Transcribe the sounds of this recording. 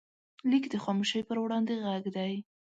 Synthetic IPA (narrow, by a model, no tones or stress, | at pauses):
likd̪əxɑmuʃəjpəɾwɽɑnd̪eɣaɡd̪aj